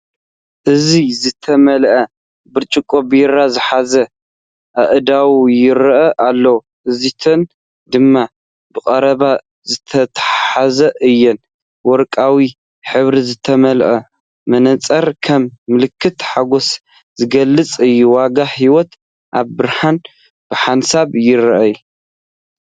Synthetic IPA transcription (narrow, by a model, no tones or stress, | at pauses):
ʔɨzizɨt̪ʰɐmɐlʔɐ | bɨɾt͡ʃʼɨkʼobɨjɪɾazɨħazɐ | ʔʔɨd̪awjɪɾʔɐʔalːɐwu | ʔɨzit̪ʰɐn | d̪ɨmːa | bɨkʼɐɾɐβa | zɨt̪ʰɐt̪ʰħħazɐʔɨjːɛn | wɔɾkʼawi | ħɨβɾizɨt̪ʰɐmɐlʔɐ | mɐnɐt͡sʼɐɾkʰɐmːɨlɨkːɨt̪ħaɡos | z̥ɨɡɐlːɨt͡sʼɨjːuwaɡaħiwɔt̪ | ʔaβbɨɾhan | b̥ɨħansaβjɪɾʔɐju